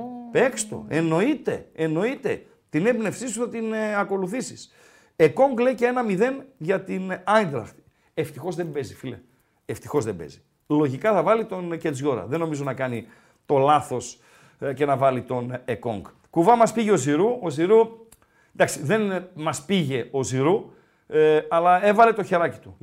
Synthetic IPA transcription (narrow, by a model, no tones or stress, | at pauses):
pe̞kst̪o̰e̞no̞it̪e̞̰ːno̞it̪e̞ | t̪inebne̞fsisuθɐt̪inɐko̞luθisis | eko̞ŋɡle̞icee̞nɐmiðe̞nʝɐt̪inɐnd̪ɾɐ̰ft̪ | eft̪ixo̞zðe̞mbe̞zifilḛ | eft̪ixo̞zðe̞mbḛzi | lo̞ʝikɐθɐvɐlit̪o̞nced͡zʝo̞ɾɐ̰ðenːo̞mizo̞nɐkɐni | t̪o̞lɐθo̞s | ce̞nɐvɐlit̪o̞neko̞̰ŋɡ | kuvɐmɐspiʝeo̞ziɾuoziɾu | d̪ɐksiðe̞nmɐspiʝe̞o̞ziɾu | ɐlɐe̞vɐle̞t̪o̞çe̞ɾɐci̥t̪u